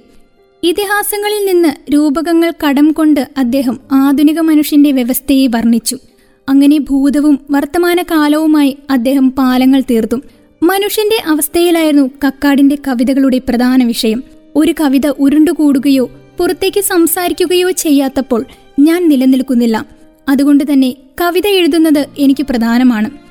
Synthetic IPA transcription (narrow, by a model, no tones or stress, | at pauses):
it̪iɦaːsɐŋːɐɭilninːɨɾuːbɐɣɐŋːɐɭkɐɽɐmko̞ɳɖɨɐd̪ːe̞ːɦɐmaːd̪ʱuniɣɐmɐnuʂjɐnde̞ʋjeʋɐst̪ʰɐjeʋɐrɳːit͡ɕːu | ɐŋːɐne̞bʱuːd̪ɐʋumʋɐrt̪ːɐmaːnɐkaːlɐʋumaːjiɐd̪ːe̞ːɦɐmpaːlɐŋːɐɭt̪iːrt̪ːum | mɐnuʂjɐnde̞ʔɐʋɐst̪ʰɐjilaːjiɾunːukɐkːaːɽinde̞kɐʋiðɐɣɐɭuɽe̞prɐd̪ʱaːnɐʋiʂɐjɐm | o̞ɾukɐʋiðɐʔuɾuɳɖukuːɽuɣɐjo̞ːpurɐt̪ːe̞ːkʲːɨsɐmsaːɾikʲːuɣɐjo̞ːt͡ɕe̞jːaːt̪ːɐpːo̞ːɭ | ɲaːnnilɐnːilkunːilːɐ | ɐðuɣo̞ɳɖɨt̪ɐnːe̞ | kɐʋiðɐeɻuðunːɐðɨe̞nikʲːɨprɐd̪ʱaːnɐmaːɳɨ